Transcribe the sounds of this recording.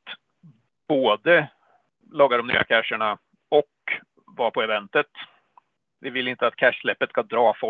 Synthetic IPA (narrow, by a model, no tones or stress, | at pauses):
t̪ | b̥oːd̪ə | lɔːɡaɾɔmny̰ːʔa̰kʰæʂəɳa | ɔk | vɑːɾpʰɔɛvɛnt̪ət̪ | vɪvɪlɪnt̪əat̪kʰæʂlɛpːət̪skad̪ɾɑːfɔ